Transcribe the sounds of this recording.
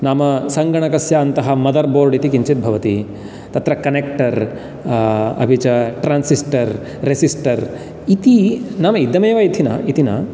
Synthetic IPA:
naːmɐsɐŋɡɐɳɐkɐsjaːɐnt̪ɐɦɐmɐd̪ɐɾboːɾɖit̪ikiɲt͡ʃit̪̚bʱɐʋɐt̪i | t̪ɐt̪ɾɐkɐnek̚ʈɐɾ | ɐ̰bʱit͡ʃɐʈɾaːnsisʈɐɾː | esisʈɐɾ | it̪inaːmɐid̪ːɐmeːʋɐit̪ʰinɐ̰it̪inɐ̰

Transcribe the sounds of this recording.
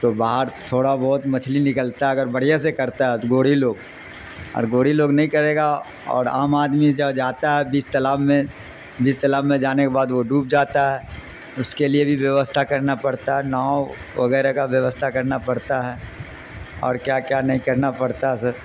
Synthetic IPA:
t̪obaːɦəɾt̪ʰoːɽabɔːʊt̪mɐt͡ʃʰlinɪkəlt̪aɦɛɐɡəɾbɐɽ̤ijas̬ekɐɾt̪aɦɛt̪oɡoːɽ̤iloːɡ | ɔ̰ːɾɡoːɽ̤iloːɡnɐɦĩkɐɾeːɡa | ɔ̰ːɾaːmaːd̪mid͡ʒɐd͡ʒaːt̪aɦɛbiːst̪ɐlaːbmẽ | biːst̪ɐlaːbmẽd͡ʒaːnekebaːd̪ʋoɖuːp̚d͡ʒaːt̪aɦɛː | ʊskeliebʱiʋjɐʋəst̪ʰakɐɾnapɐɽt̪aɦɛnaːʋɐɡɛːɾekaʋjɐʋəst̪ʰakɐɾnapɐɽt̪aɦɛː | ɔ̰ːɾkjaːkjaːnɐɦĩkɐɾnapɐɽt̪aɦɛsɐɾ

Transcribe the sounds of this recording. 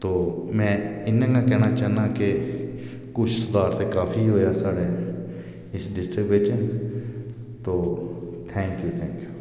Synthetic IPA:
t̪oːmɛ̃ːɪnə̃kakɛːnat͡ʃaːnãke | kʊt͡ʃʰsʊd̪aːɾt̪ekaːpʰiɦoːjasaːɽe | ɪsɖɪsʈɾɪbeːt͡ʃən | t̪oː | t̪ʰɛ̃ːŋkjuːt̪ʰɛ̃ːŋkjuː

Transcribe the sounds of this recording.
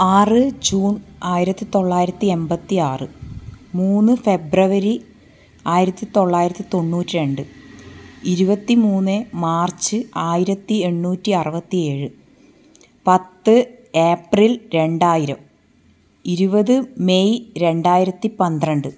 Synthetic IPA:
aːrɨd͡ʑuːnaːjiɾɐt̪ːit̪o̞ɭːaːjiɾɐt̪ːie̞mbɐt̪ːiaːrɨmuːnːɨfe̞brɐʋɐɾi | aːjiɾɐt̪ːit̪o̞ɭːaːjiɾɐt̪ːit̪o̞nːuːtːiɾe̞ɳɖɨ | iɾubɐt̪ːimuːnːɨmaːrt͡ɕːɨaːjiɾɐt̪ːie̞ɳːuːtːiɐrɨbɐt̪ːie̞ːɻɨ | pɐt̪ːɨeːprilɾe̞ɳɖaːjiɾɐm | iɾubɐðɨme̞jɾe̞ɳɖaːjiɾɐt̪ːipɐnd̪ɐɳɖɨ

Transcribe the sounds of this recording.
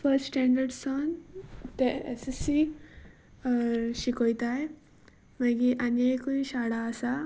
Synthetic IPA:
fəɾssʈɛ̃ɳɖəɾɖsɔnt̪eḛsisi | ɕikojt̪aj | məɡiʔanakuiɕaɽaːsa

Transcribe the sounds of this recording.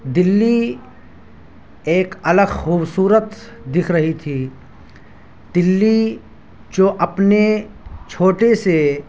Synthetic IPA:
d̪ɪlːi | eːkɐləɡxuːbsuːɾət̪ | d̪ɪkʰɾɐɦit̪ʰi | d̪̥ɪlːi | d͡ʒoːʔɐpne | t͡ʃʰoːʈese

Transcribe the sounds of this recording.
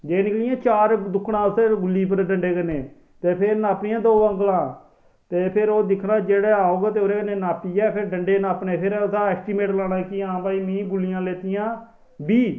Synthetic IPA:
d͡ʒeːnɪklɪjãːt͡ʃaːɾd̪ʊkʰːɽãːsəɾɡʊlːiːp̬əɾɖəɳɖeːkəneː | t̪eːpʰɪɾnaːpnɪjãːd̪oːəŋɡlãː | t̪eːpʰɪɾoːd̪ɪkʰɽãːd͡ʒeːɽɛːaːoːɡaːt̪eːoːɾeːkəneːnaːpiːjɛːpʰɪɾɖəɳɖeːnaːpnẽːpʰɪɾsaːɛːsʈimeːʈlaːɽãːkiãːbaːiːmĩːɡʊlːɪjãːleːt̪ɪjãː | biː

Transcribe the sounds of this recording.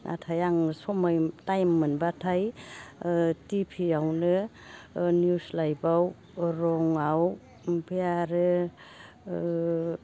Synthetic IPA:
nʔa̰tʰajaŋsɔmajtajmːɯnbatʰaj | tipʰiawnɯ | njuslajbaw | ɾɔŋaw | bijaɾɯ

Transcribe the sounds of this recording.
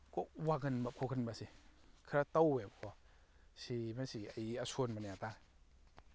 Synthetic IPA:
kɔwaɡɯnbakʰɔkʰɯnbasikʰɾatawbebkʰɔ | simasiajiasonbanaata

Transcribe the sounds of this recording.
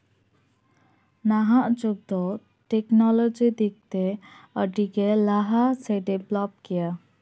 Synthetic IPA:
naɦaʔd͡ʒuɡ̚d̪ɔ | ʈeknɔlɔd͡ʒid̪ik̚t̪eəʈikelaɦaseɖeblɔp̚kija

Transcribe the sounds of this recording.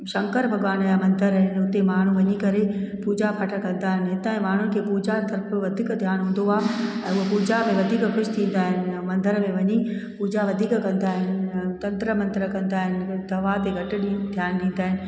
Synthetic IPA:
ʃɐ̃ŋkəɾbʱɐɠʋaːnajamɐ̃nd̪əɾɦɪnʊt̪emaːɳ̤ũʋɐɲikɐɾepuːd͡ʑapʰɐʈʰəkɐ̃nd̪aːɦɪnɪ̆ɦɪt̪aːĩmaːɳ̤ʊnɪ̆kʰeːpuːd͡ʑat̪ɐɾpəʋɐd̪ʱiːkd̪ʱjaːnɦũːn̆d̪oaːɛ̃ːʊɦəpuːd͡ʑamẽʋɐd̪ʱiːkkʰʊʃt̪ʰĩːn̆d̪aːɦɪnɪ̆mɐ̃nd̪əɾmẽʋɐɲipuːd͡ʑaʋɐd̪ʱiːkkɐ̃nd̪aːɦɪnɪt̪ɐ̃nt̪ɾəmɐ̃nt̪ɾəkɐ̃nd̪aːɦɪnɪ̆d̪ɐʋat̪eɡʱɐʈɪ̆ɗid̪ʰʱjaːnɗĩːn̆d̪aːɦɪnɪ̆

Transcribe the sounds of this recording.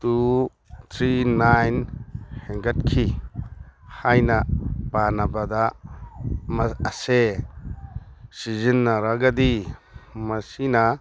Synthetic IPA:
tu | t̪ʰɾinajnhɛŋɡat̚kʰi | hajnapanabad̪a | mɐːse | sizinːaɾaɡad̪i | mɐsina

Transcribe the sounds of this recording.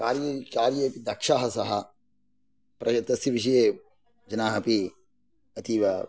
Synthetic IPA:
kaːɾjɐkaːɾjeːpid̪ɐkʂaːɦɐsɐɦɐ | pɾɐɐt̪ɐsjɐʋiʃɐjeː | d͡ʒɐnaːɦɐpi | ɐt̪iːʋɐ

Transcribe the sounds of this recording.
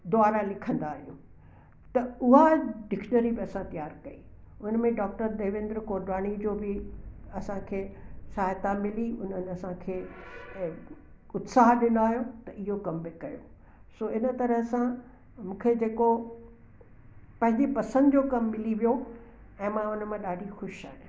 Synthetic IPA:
d̪ʊaːɾalɪkʰə̃nd̪aːɦijo | t̪ɐʊɦaɖɪkʃnəɾibɪɐsãt̪ijaːɾkɐi | ʊnmẽɖɔːk̚ʈəɾd̪eːʋɪ̃nd̪ɾəkoːɾɖaːɽ̃id͡ʑoːbɪɐsãkʰeːsaːjt̪amɪliʊn̤ənɪ̆ɐsãkʰeː | ʊt̪saːɦɗɪnd̪aːɦijot̪ɐʔɪɦokɐmbɪkɐjo | soːɪnət̪ɐɾəɦsã | mũːkʰed͡ʑeːko | pɐ̃ɦɪ̃ɲd͡ʑepɐsə̃nd̪ʊd͡ʑoːkɐmːɪliʋijo | ɛ̃ːmãʊnəmãɗaːɖʱixʊʃa̰ːɦɪ̃

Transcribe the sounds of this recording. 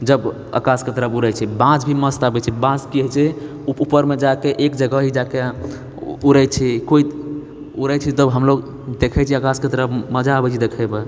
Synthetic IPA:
d͡ʒəb | ə̰kasket̪əɾəpʰuɾɛt͡ʃʰɛbãd͡ʒbʱiməst̪əbɛt͡ʃʰɛbãskiɦɛt͡ʃʰɛ | uupəɾmed͡ʒakeʔekd͡ʒəɡəɦid͡ʒake | uɾɛt͡ʃʰɛkoit̪ | uɾɛt͡ʃʰit̪əbɦəmloɡ | d̪ekʰɛt͡ʃʰiəkasket̪əɾəpʰməd͡ʒaəbɛt͡ʃʰid̪ekʰɛbe

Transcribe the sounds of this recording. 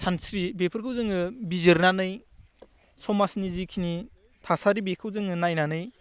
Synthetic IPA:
tʰansɾibepʰɯɾkʰɯwzɯŋɯbizɯɾnanɯj | sɔmasnizikʰini | tʰasaɾibekʰɯwzɯŋɯnajnanɯj

